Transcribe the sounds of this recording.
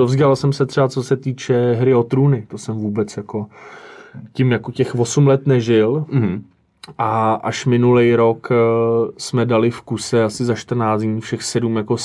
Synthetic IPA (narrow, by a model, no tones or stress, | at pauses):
dovzɡalsɛmsɛt̪r̥ɛbat͡so̞sɛt̪iːt͡ʃɛɦɾɪot̪ɾuːnɪt̪o̞sɛmvuːbɛt͡sjako̞ | cɪmjakocɛxvo̞sumlɛt̪nɛʒɪl | ʔaʔaʃmɪnulɛjɾo̞k | smɛdalɪfkusɛasɪzaʃt̪r̩naːt͡sɲiːfʃɛxsɛdumjako̞